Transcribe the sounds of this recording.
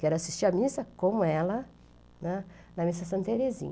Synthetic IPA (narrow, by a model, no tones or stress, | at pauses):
kɛɾʊasi̥st͡ʃiɾɐmisɐkõmʊɛlɐ | nɛ | nɐmisɐsɐ̃nt̪eɾezḭ̃ɲ